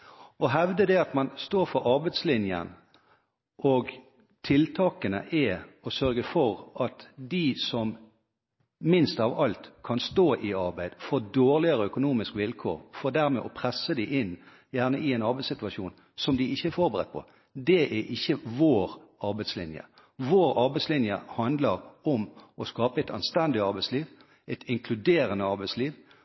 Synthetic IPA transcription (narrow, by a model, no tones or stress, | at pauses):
ɔɦɛʋd̪əd̪ɛɑt̪mɑnst̪oːɾfɔɾɑɾbæɪd̪slɪnjə̰n | ʔɔɡ | t̪ʰɪlt̪ʰɑːkənə̰ʔɛɔsœɾɡəfɔɾʔɑt̪d̪isɔm | mɪnst̪ɑʋɑlt̪kʰɑnst̪oːʔɪɑɾbæɪd̪fɔd̪oːʁlɪəɾəœkʊnuːmɪskʋɪlkʰo̰ːɾfɔʁd̪æʁmɛ̰ʔɔpʰʁɛsːəd̪æɪʔɪnː | jæʁnə̰ʔɪɛɪnɑɾbæɪsɪt̪ʉɑʃuːn | sɔmd̪ɪɪçːəæɾfɔʁbəʁɛ̰t̪̚ːpʰɔ̰ | d̪ɛʔæʔɪçːəʋoːɾ | ɑɾbæɪslɪ̰njə̰ | ʋoːɾɑɾbæɪslɪnjə̰hɑnd̪ləɾɔmɔskɑːpəɛɪt̪ɑnst̪ɛnd̪ɪɑɾbæɪsliːʋ | ɛt̪ʰɪŋkʰlʉd̪eːɾənəɑʁbæɪsliːʋ